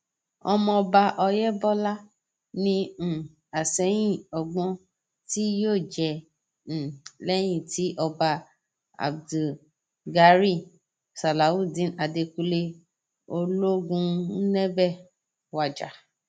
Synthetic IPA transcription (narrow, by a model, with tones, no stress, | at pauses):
ɔ˧mɔ̃˧ɔ˧ba˧ʔɔ˧jɛ˦bɔ˦la˦ | nĩ˧˨ | a˨sɛ˨˦j̃ĩ˦˨ɔ˨ɡ͡bɔ̃˧˦ | ti˦joː˦˨d͡ʒɛ̃˧˨ | lɛ˦j̃ĩ˦˨ti˨˦ʔɔ˧ba˧ | a̰˨bdu˨ | ɡa˧˦ɾi˦˨ | sa˨la˨wu˦˨dĩ˨˦na˨de˧ku˧le˧ | o˧lo˦ɡũ˧˦nɛ̃˦bɛ˦˨ | wa˨d͡ʒa̰˨